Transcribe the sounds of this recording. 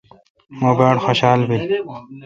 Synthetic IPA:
moːbaːɽxoːɕaːlbi

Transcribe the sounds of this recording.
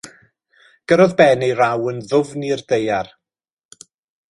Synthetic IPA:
ɡ̥əɾɔðbɛnejɾawənðʊvnirdejar

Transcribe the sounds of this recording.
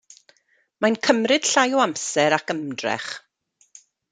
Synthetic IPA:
mankʰəmrɨd̥ɬajɔamsɛɾakəmdrɛ̰χ

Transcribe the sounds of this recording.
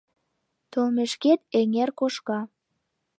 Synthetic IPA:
t̪olmeʃket̪̚eŋerkoʃkɑ

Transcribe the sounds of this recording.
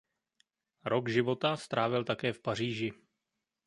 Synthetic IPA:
ɾo̞kʒɪvo̞t̪ast̪ɾaːvɪlt̪akɛːfpar̝iːʒɪ

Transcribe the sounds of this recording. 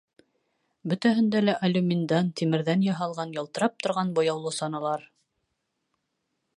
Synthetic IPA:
bɵ̆t̪æɦɘ̆nd̪ælæʔɐlʲumʲind̪ɑnt̪imɘ̆ɾðænjɑɦɑlˠʁɑnjɤ̆lˠt̪ɤ̆ɾɑp̚t̪ŏɾʁɑnbŏjɑwlˠɤsɑnɑlˠɑɾ

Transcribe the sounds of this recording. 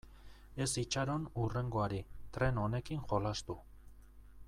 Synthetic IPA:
e̞sit͡ʃaɾo̞nure̞ŋɡoaɾit̪ɾe̞no̞ne̞kinʝo̞last̪u

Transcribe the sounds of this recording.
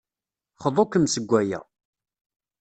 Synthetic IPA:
χəðˤokəmsəɡʷːæjæ̰

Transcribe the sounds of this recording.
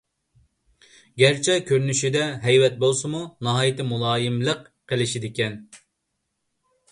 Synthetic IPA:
ɡʲæɾt͡ʃʰɛkʲʰøɾnyʃid̪ɛɦɛjwɛt̪̚bolˠsɨmunɑɦɑːjit̪ʰɪmulˠɑːjɪmlˠəq | qːəlɪʃid̪ɪkʲɛn

